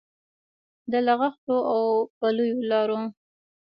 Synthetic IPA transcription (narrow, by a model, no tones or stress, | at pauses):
d̪əlaɣaxt̪oʔawpalujolɑɾo